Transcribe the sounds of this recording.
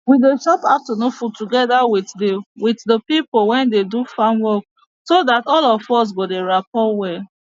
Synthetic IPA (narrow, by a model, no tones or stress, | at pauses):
wideʃɔpatunofutuɡɛdawiwitdəpipolwɛ̃ndedufãnwɔk̚ | sodatɔlɔfɔs̬ɡodeɹapɔwɛ